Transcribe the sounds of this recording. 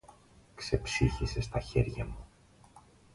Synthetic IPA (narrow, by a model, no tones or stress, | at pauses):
kse̞psiçise̞st̪ɐçe̞̰ɾʝɐmu